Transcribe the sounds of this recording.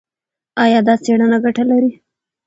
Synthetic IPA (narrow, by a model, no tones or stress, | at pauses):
ɑjɑd̪ɑt͡seɽənaɡaʈalaɾi